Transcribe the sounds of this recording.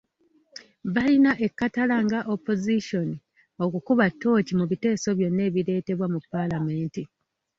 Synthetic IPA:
βalinaʔe̞kːatalaŋɡaʔopːo̞ziʃo̞ni | o̞kukuβatːo̞ːcimuβite̞ːso̞βjo̞nːe̞ːβiɾe̞ːte̞βwamupːalame̞ːnti

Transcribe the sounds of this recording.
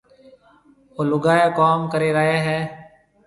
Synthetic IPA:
olʊɡaːjeːkaːmkəɾeːɾaːeːɦɛː

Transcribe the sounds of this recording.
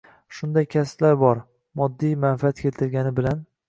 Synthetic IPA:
ʃʊnd̪ajkʲʰasplaɾbɒɾ | mɒd̪ːijmanfɪat̪kʲe̞lt̪ʰɪlɡʲanɪbɪlan

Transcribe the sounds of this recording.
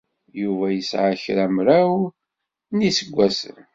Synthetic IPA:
juvæjəsʕaçɾæmɾæw | nisəɡʷːæsə̰n

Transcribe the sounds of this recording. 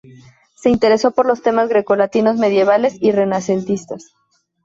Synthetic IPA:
se̞int̪e̞ɾe̞so̞po̞ɾlo̞st̪e̞mazɣɾeko̞lat̪ino̞zme̞ðje̞βale̞sire̞nase̞nt̪ist̪as

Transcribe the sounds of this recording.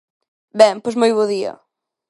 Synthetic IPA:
bɛ̃ŋpojsmojβoðiɐ̰

